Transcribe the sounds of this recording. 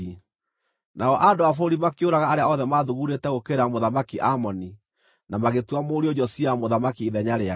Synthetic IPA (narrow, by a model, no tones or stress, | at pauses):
naɔʔadoafoɾimakjoɾaɣaːɾeaɔðɛmaðuɣuɾetɛɣokeɾamoðamakiʔamɔni | namaɣetwamoːɾiod͡ʑɔsiamoðamakiːðɛɲaɾea